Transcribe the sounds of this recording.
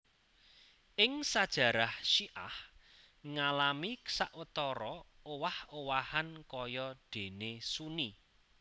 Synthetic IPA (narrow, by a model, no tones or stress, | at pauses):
ʔɪŋsad̥ʒ̥ä̤ɾahʃiʔa̰h | ŋalamiksaʔwət̪ɔɾɔowahowahankɔjɔɖ̪̥e̤nesuni